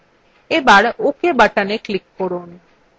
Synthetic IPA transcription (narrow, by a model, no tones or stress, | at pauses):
ebaɽukebaʈaneklikːɔɽun